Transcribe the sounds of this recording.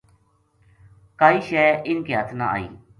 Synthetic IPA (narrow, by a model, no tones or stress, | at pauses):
kaːiːʃɛːʔɪnkiɦət̪ʰna̰ːa̰ːḭː